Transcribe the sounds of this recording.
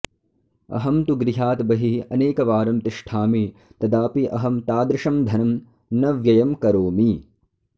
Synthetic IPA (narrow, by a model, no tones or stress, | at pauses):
ɐ̰ɦɐmt̪uɡɾiɦaːt̪bɐɦiɐneːkɐʋaːɾɐmt̪iʂʈʰaːmit̪ɐd̪aːpiʔɐɦɐmt̪aːd̪ɾɪʂɐmd̪ʱɐnɐm | nɐʋjɐjɐmkɐɾoːmi